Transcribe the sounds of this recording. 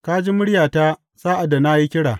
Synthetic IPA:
ka˦d͡ʒi˦mʊ˦ɽjaː˨taː˦ | saː˦ʔa˨dːa˨na˦ji˦kʲɪ˦ɽa̰ː˨

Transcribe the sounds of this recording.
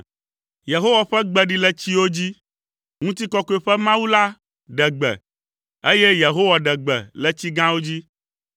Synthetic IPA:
je˨ɦo˦wa˨ɸɛ˦ɡ͡bɛ˨ɖi˦lɛ˦t͡ɕi˦wo˦d͡ʑi˦ | ŋũ˦t̪i˦kɔ˦kɔ˨˦ɛ˨ɸɛ˦mã˦wu˦la˦ | ɖɛ˨ɡ͡bɛ̰˨ | e˦je˦je˨ɦo˦wa˨ɖɛ˨ɡ͡bɛ̰˨lɛ˨t͡ɕi˦ɡã˦wo˦d͡ʑi˦

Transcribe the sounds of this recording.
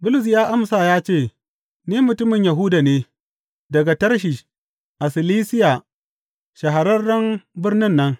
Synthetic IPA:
bʊ˦lʊ˨s̬jaː˦ʔa˦msaː˨jaː˦t͡ʃeː˦˨ | niː˦mʊ˨tʊ˦mɪ˨ɲja˨ɦʊ˦da˨neː˦ | dɐ˨ɡa˨tɐ˦rʃiː˨ | ʔa˨sɪ˨liː˦sɪ˦ja˨ | ʃɐ˨ɦa˨ɾɐ˦rdɐ˦mbɪ˦rnɪ˦nːɐ˦ŋ

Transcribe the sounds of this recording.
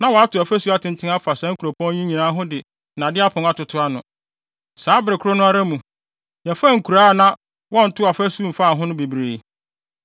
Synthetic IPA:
nã˦wɔ˨a˦tʊ˨a˨fæ˦su˦a˨tʰɪ̃˨n˨tʰɪ̃˦ŋa˦fa˨sɛ̃˨˦ŋ̩˦kʰu˨ɾo˨pʰɔ̃˦ɲĩ˦ɲĩ˨nãː˦ɦʊ̃˦dɪ˨ | nã˨dɪ˦a˦pʰʊ̃˨ŋ˦a˦˨tʊ˨tʰʊ˦a˦nʊ̃˨ | saː˨˦bɪ˨ɾɪ˨kʰʊ˦ɾo˦nʊ̃˦a˦ɾa˦mũ˨ | ja˨fa˦ŋ̩˨kʰu˨ɾaː˦nã˦ | wɔ̃˦n̩˨tʰʊ˦a˨fæ˦su˦m̩˨fa˦˨ɦʊ̃˦nʊ̃˦be˨bɾeː˨

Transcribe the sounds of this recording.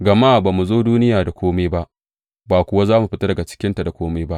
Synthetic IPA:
ɡɐ˨ma˦˨baː˨mu˨zoː˦duː˦nɪ˦jaː˨da˨kʷoː˦me˦ba˦ʔ | baː˨kʷʊ˨wa˦zaː˦mu˨ɸɪ˦ta˦dɐ˨ɡa˨t͡ʃɪ̥˦kʲɪ˦nta˨da˨kʷoː˦meː˦ba˦ʔ

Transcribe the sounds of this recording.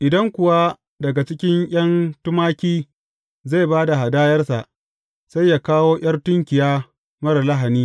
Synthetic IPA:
ʔɪ˨dɐ˦ŋkʷʊ˨wa˦ | dɐ˨ɡa˨t͡ʃɪ˦kʲɪ˦ŋj̰ʲɐ˦ntʊ˦maː˦kʲiː˦ | za˦˨baː˦da˨ɦa˨daː˦jɐ˦rsa˨ʔ | sa˦jːa˦kaː˦woː˦ʔʲj̰ɐ˦rtʊ˦ŋkʲɪ˨jaː˦ | mɐ˦ɾa˨la˦ɦa˨niː˦

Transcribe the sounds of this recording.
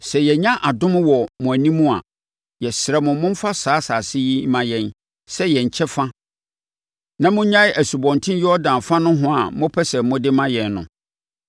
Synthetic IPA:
sɛ˨jɛ˨ɲã˦ʔa˨dʊ̃˦m˦wɔ˨mʊ̃˨æ˨nĩ˦mũ˦a̰˨ | jɛ˨sɪ˨ɾɛ˨mʊ̃˨˦mʊ̃˦m̩˦fa˦saː˨˦saː˨sɪ˦ji˦mã˨jɛ̃˨n | sɛ˦jɛ˨ɲ̩˨t͡ɕʰɛ˦fã˦ | nã˦mʊ̃˦ɲã˦ʔæ˨su˨bɔ̃˨ntʰɪ̃˦n˦jɔ˦ɔ˦dã˨n˨fã˦nʊ̃˦ɦʊ̃˦a˨˦mʊ̃˦pʰɛ˦sɛ˨˦mʊ̃˦dɪ˦mã˦jɛ˨nːʊ̃˨

